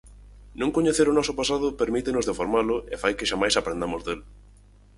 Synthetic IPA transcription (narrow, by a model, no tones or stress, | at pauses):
nũŋkoɲeθeɾʊnɔsʊpasaðʊpeɾmit̪enʊzðefoɾmalʊʔefajkɪʃamajsapɾẽnd̪amʊzðel